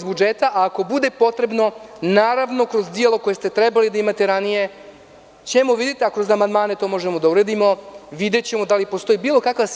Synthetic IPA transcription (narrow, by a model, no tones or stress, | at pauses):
zbud͡ʒet̪aʔaːko̞bud̪e̞po̞t̪ɾe̞bno̞naːɾaʋno̞kɾozd̪ijelˠo̞ko̞je̞st̪e̞t̪ɾebalid̪aimat̪eɾanije̞ | t͡ɕemo̞ʋid̪et̪eakɾo̞zamand̪maːne̞t̪o̞ːmo̞ʒemo̞d̪auɾed̪imo̞ʋid̪e̞t͡ɕemo̞d̪alipost̪o̞ibiːlˠo̞kaka